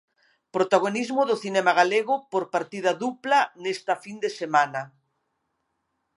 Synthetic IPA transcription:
pɾot̪aɣonizmʊðoθinɛmaɣaleɣʊpoɾpaɾt̪ið̞ɐðuplanest̪ɐfind̪esemanɐ

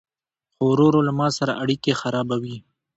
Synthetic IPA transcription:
xoɾoɾolamɑsaɾa̰ʔaɽikexaɾɑbawi

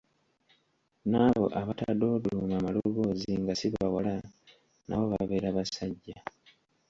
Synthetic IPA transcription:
naβo̞̰ʔaβatad̪o̞ːduumamaluβo̞ːziŋɡasiββawala | na̰βo̞βa̰βe̞ːɾaβasaɟːa

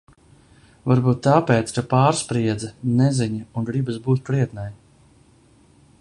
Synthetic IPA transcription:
vaɾbuːt̪ːaːpɛːt̪skapaːɾspɾiɛd̪zanɛzʲiɲiuŋɡɾibɨsbuːt̪̚pɾiɛt̪naj

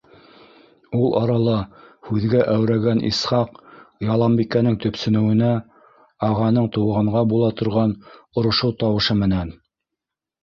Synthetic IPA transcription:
ulˠʔɑɾɑlˠɤhʉðɡæʔæwɾæɡænḭsχɑqjɑlˠɑmbikænɘŋt̪ɵ̆psɵ̆nɘ̆wɘ̆næ | ɑʁɑnɤɴt̪ŭwʁɤ̆ɴʁɑbulˠɑt̪ŏɾʁɑnŏɾŏʃɤwt̪ɑwɤ̆ʃɤmɘ̆næn

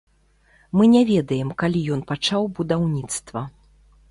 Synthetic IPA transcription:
mɨnʲɛvʲɛd̪ɐjɛmkalʲijɔnpat͡ʂawbud̪awnʲit̪st̪vɐ

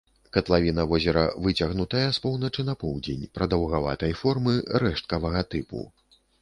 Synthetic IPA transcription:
kɐt̪lˠavʲinɐvɔzʲɛɾɐvɨt͡sʲɐɣnut̪ɐjɛspɔwnɐt͡ʂɨnɐpɔwd͡zʲenʲpɾɐd̪ɐwɣava̰t̪ɐjfɔrmɨɾɛʂt̪̚kɐvɐɣɐt̪ɨpṵ

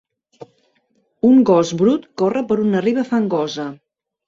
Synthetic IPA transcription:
uŋɡɔzbɾut̪korəpəɾunəriβəfaŋɡɔzə

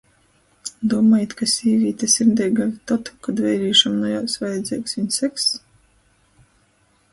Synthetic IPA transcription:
d̪uɔmaːjit̪kasʲiːvʲiːt̪ʲasʲimd̪ʲɛjɡavʲit̪at̪u̥kad̪vɛjɾiːʃamnɔjawsvajd̪zʲiːksviɲsæks

